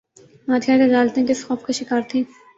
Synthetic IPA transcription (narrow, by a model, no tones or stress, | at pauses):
maːt̪ʰiad̪ed̪aːlt̪ĩkɪsxɔːfkaʃɪkaːɾt̪ʰĩː